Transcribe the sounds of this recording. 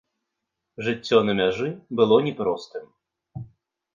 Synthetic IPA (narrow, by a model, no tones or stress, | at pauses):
ʐɨt͡sʲːɔnɐmʲaʐɨbɨlˠɔnʲɛpɾɔst̪ɨm